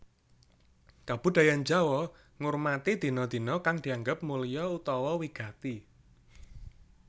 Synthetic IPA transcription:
kab̥ṳd̪̥ä̤jand͡ʒa̤wɔ | ŋurmat̪id̪̥i̤nɔd̪̥i̤nɔkaŋd̪̥i̤aŋɡəp̚mulijɔut̪ɔwɔwiɡ̥a̤t̪i

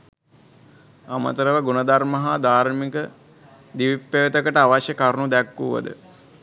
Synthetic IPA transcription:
amə̰t̪əɾəʋəɡunəd̪aɾməɦad̪aːɾmikə | d̪iʋipːejt̪əkəʈəaʋaʃjəkaɾnud̪ækːuʋə̰d̪ə̰

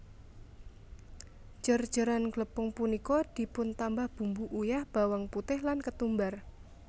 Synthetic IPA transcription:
d͡ʒ̥ər̥d͡ʒ̥əɾanɡləpʊŋpunikɔd̪̥i̤pʊnt̪ambahb̥umbuʔujahb̥awaŋput̪ɪhlankət̪umbar

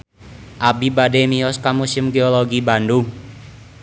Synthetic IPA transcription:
ʔabibademiɔskamusɪmɡeoloɡibanduŋ

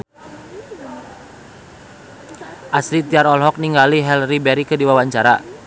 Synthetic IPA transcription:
ʔasɾit̪iaɾɔlɦɔk̚niŋɡaliɦɛlribɛɾikɨdiwawaɲt͡ʃaɾa

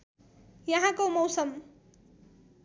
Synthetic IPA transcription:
jʌɦãkomʌwsʌm

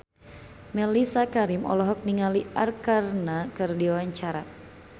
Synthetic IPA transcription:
mɛlisakaɾimʔɔ̰lɔɦɔk̚niŋaliarkarnakɨrdiawaɲt͡ʃaɾa̰

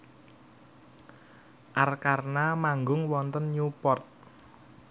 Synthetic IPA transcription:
ʔarkarnamaŋɡʊŋwɔnt̪ənɲupɔrt̪̚

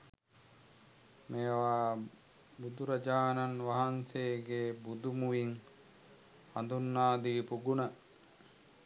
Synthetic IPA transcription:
meːʋaː | bud̪uɾɐd͡ʒaːnanʋaɦanseːɡeːbud̪umuʋiŋ | hand̪unːaːd̪iːpuɡunə

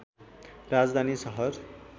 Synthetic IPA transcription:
rad͡zd̪ʱanisʌɦʌr

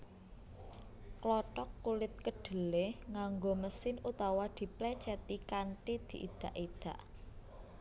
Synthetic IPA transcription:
klɔʈɔkːulɪt̪̚kəɖ̥ə̤lehŋaŋɡoməsɪnut̪awad̪̥i̤plɛt͡ʃɛt̪ikaɳʈid̪̥i̤ʔid̪̥a̤ʔid̪̥ä̤ʔ

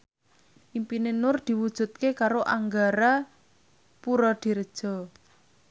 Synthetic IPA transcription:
ʔimpinenʊrd̪̥i̤wud̥ʒ̥ṳt̪̚kekaɾoʔaŋɡaɾa | puɾɔd̪̥i̤ɾəd̥ʒ̥ɔ̤

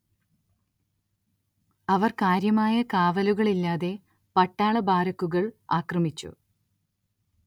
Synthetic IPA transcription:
ɐʋɐrkaːɾjɐmaːjɐkaːʋɐluɣɐɭilːaːðe̞ | pɐʈːaːɭɐbaːɾɐkːuɣɐɭaːkrɐmit͡ɕːṵ

